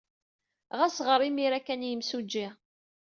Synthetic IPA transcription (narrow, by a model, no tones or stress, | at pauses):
ʁæsʁəɾˤimiɾækːænjəmsud͡ʒːi